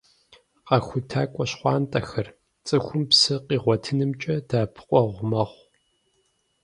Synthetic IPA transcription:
qɑxʷʊtʰaːkʷʼɔɕχʷɑːntʼɐxɐr | t͡sʼɨxʷʊmpsɨqiːʁʷɔtʰɨnɨmt͡ʃʼɐdaːpʰɨ̥qʷʼɔʁʷʊmɐχʷ

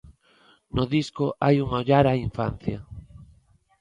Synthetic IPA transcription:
noðiskoʔajuŋoʎaɾaiɱfa̰n̟θja

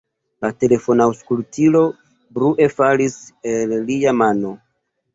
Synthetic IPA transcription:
late̞le̞fo̞nawskultʰilo̞ | bɾuʔe̞faliselːiamano̞

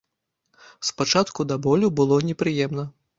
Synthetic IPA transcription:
spat͡ʂat̪kud̪abɔlʲubɨlˠɔnʲɛpɾɨjɛmnɐ

